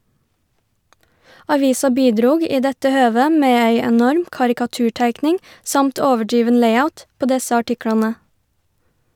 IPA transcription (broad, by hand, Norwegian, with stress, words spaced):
ɑˈʋiːsɑ ˈbiːˌdɾuːɡ ˈiː ˈdɛtə ˈhøːʋə ˈmeː ˈæɪ ɛˈnɔɾm kɑɾɪkɑˈtʉːˌʈæɪknɪŋ ˈsɑmt ˈoːʋəˌɖɾiːʋən ˈlæɪaʊt ˈpoː ˈdɛsə ɑˈʈɪklɑnə